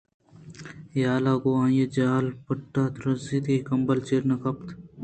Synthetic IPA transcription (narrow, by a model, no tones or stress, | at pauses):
jaːlaːɡoãːjed͡ʒaːlpɐʈːaːt̪ɾɐzit̪ikɐmbɐlt͡ʃeɾnɐkɐpt̪ʰ